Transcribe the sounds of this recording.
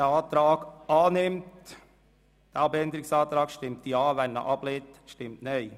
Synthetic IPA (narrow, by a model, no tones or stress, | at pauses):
əɑːt̪ɾɑːɡ̥ɑːnɪmt | d̪̥ɛɑbɛnd̪əɾɪksɑːt̪ɾɑːkʃtɪmt̪iɑːʋænnə̰ʔɑb̥leːt̪ʃtɪmtnœɪ